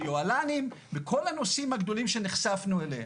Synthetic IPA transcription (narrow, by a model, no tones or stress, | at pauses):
joalanimbekʰo̞lano̞simaɡd̪o̞limʃe̞neχsafnuelḛh